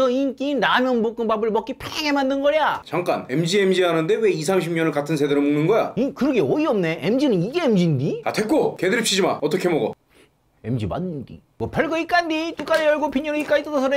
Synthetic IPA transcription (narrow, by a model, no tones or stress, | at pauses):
ʌink͈inɾamjʌnbok͈ɯnbabɯɭmʌk͈ipʰeŋe̞mandɯnɡʌɾjat͡ɕaŋk͈ane̞md͡ʑiemd͡ʑiɦanɯnde̞we̞is̬ʰamɕʰimɲʌnɯɭkatʰɯnsʰe̞deɾɯmuŋnɯnɡʌja̰ikɯɾʌɡeʌiʌmne̞ʔemd͡ʑinɯniɡe̞emd͡ʑindiatʰek͈okedɯɭpɕ͈ʰid͡ʑimaʌt̬͈ʌkʰe̞moɡo̰ | e̞md͡ʑima̰ndɯndḭmwʌpʰʌɭɡʌik͈andit͈uk͈aɾejʌɭɡopʰiɲʌɾɯik͈ait͈ʌdʌsʰʌɾe